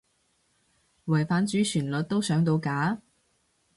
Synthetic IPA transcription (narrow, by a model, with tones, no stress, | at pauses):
wɐ˨˩jfaː˨˥nt͡ʃyː˨˥sʰyː˨˩nlɵ˨t̚t̪o˥wsœː˨˥ŋt̪o˧wkaː˨˥